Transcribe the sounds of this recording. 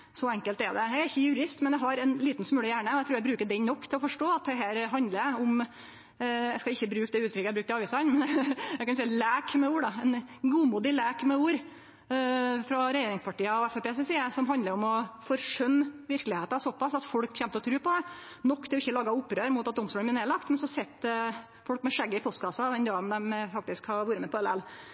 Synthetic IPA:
sɔɛŋkəlt̪ɛd̪ɛjæɪɪçːəjʉɾɪst̪mɛnjæɦɑɾɛnliːt̪n̩smʉːlɪjæːɳəɔæɪt̪ɾʉːjæɪbɾʉːkəɖɛnnɔkːt̪ʰɪlɔfɔʂʈoːɑt̪̚d̪ɛɦæːɾɦɑnd̪ləɾʊm | æskɑɪçːəbɾʉːkd̪ɛʉːt̪ʰɾʏkəɛæɪbɾʉːkt̪ɪɑːʋiːsɑnmɛnækɑnsɛlæːkmɛuːɖɑɛnɡuːmuːd̪ɪlæːkmɛuːɾ | fɾɔɾɛjeːɾɪŋspʰɑʈiːɑɔɛfɛpeːsɛsiːəsɔmɦɑnd̪əɾɔmɔfɔɾʂœmːʋɪɾklɪheːt̪ɑsɔpːɑsɑt̪fɔɽkçɛmt̪əɔt̪ʰɾʉːpɔd̪ɛ | nɔkːt̪ɛɔɪçːəlɑːɡɑʊpːɾøːɾmʊːt̪ɑt̪̚d̪ɔmst̪uːlmɪneːlɑkt̪mɛnsɔsɛt̪ː | fɔlkmɛʂɛɡːəɪpʰɔst̪ɡɑsɑd̪ɛnd̪ɑːənd̪ɛmfɑk̚t̪ɪskhɑʋuːɾəmɛpɔɛlɛl

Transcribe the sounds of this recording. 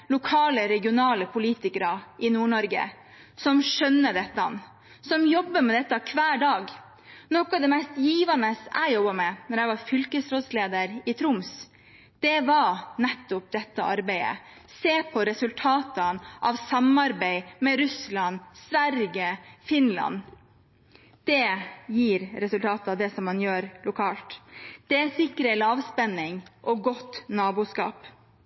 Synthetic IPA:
lʊkʰɑːləɾɛɡɪʊnɑːləpʰʊliːt̪ɪkəɾɑʔɪnuːɳɔɾɡə̰ | sɔmʂœnːəd̪ɛt̪ːɑ̰n | sɔmjɔbːəmɛd̪ɛt̪ːɑkʰʋæːɖɑːɡ | nɔkɑd̪ɛmɛɪst̪jiːʋɑnəsæ̰ɪjɔbɑmɛnɔɾæɪʋɑɾfʏlkəsɾɔd̪sleːd̪əɾɪt̪ʰɾʊms | d̪̥ɛʋɑɾnɛt̪ːʊp̚d̪ɛt̪ːəʔɑɾbæɪə̰ | seːpʰɔɾɛsʉlt̪ʰɑːt̪ənʔɑʋsɑmɑɾbæɪmɛɾʉslɑnsʋæɾɡəfɪnlɑ̰n | d̪̥ɛjiːɾɾɛsʉlt̪ʰɑːt̪ɑd̪ɛsɔmːɑnjøːɾlʊkʰɑːlt̪d̪̥ɛæsɪkːɾəlɑːʋspɛnːɪŋʔɔɡɔt̪nɑːbuːskɑ̰ːp

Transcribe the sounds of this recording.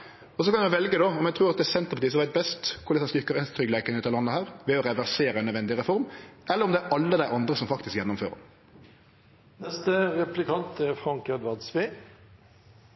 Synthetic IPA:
ɔsɔkɑnæʋɛlɡəd̪ɔɔmjɛt̪ʰɾuːɑt̪d̪ɛsɛnt̪əʁpɑtiːəsɔmʋæɪt̪̚bɛst̪kʰʊɾlɛsɑst̪ʏkːəʁɛnst̪ʰɾʏɡlæɪkənʉːt̪ɑlɑnːəhæːʁʋɛɔɾɛʋæʁseːɾəɛnːœd̪ʋɛnd̪ɪʁɛfɔɾmʔɛlːəɾɔmd̪ɛːɾʔɑlːəd̪æɪʔɑnd̪ʁəsɔmfɑkt̪ɪskjɛnːʊmfø̰ːʁə̰ | nɛst̪əʁɛplɪkʰɑnt̪ʰɛfɾɑŋkɛd̪ʋɑʁd̪sʋeː

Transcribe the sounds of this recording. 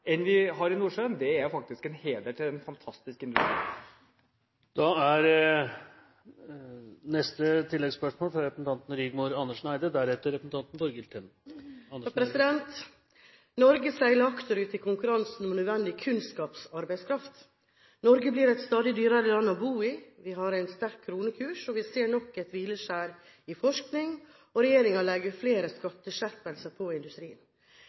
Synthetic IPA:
ɛnʋɪɦɑɾɪnuːʂønd̪ɛæɾʊfɑk̚t̪ɪskɛnheːd̪əʈʰɪlɛnfɑnt̪ʰɑst̪ɪskɪnd̪ʉst̪ɾḭː | d̪̥ɑæɾ | nɛst̪ət̪ʰɪlːɛɡspœʂmoːlfɾɑɾɛpəsn̩t̪ʰɑnt̪n̩ɾʏːɡmuːɾɑnːəʂɳæɪd̪əd̪æɾɛt̪əɾɛpɾsn̩t̪ɑnt̪n̩fɔɾɡɪlt̪ʰɛnːʰ | ɾɛsɪd̪ɛnt̪ | nɔɾɡəsæɪləɾɑkt̪əɾʉːt̪ɪkʰʊŋkʉɾɑnsn̩ɔmnœd̪ʋɛnd̪ɪkʰʉnskɑːpsɑɾbæɪskʰɾɑft̪ | nɔɾɡəbliːɾɛt̪st̪ɑːd̪ɪd̪yːɾɑɾəlɑnːɔbuːɪʋɪɦɑɾæɪnst̪æɾkʰːɾuːnəkʰʉːʂɔʋɪseːɳɔkːɛt̪ʋiːləʂæːɾ | ɪfɔʂknɪŋ | ɔɾɛjeːɾɪŋɑlɛɡəɾfleːɾəskɑt̪ːəʃæɾpɛlsəpʰɔɪnd̪ʉst̪ɾiːən

